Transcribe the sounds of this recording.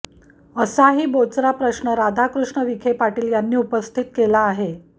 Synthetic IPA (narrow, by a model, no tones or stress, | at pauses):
əsaɦiːbot͡sɾapɾəɕɳəɾad̪ʱakɾuʂɳəʋikʰepaʈiːljanːiːupəst̪ʰit̪̚kelaːɦe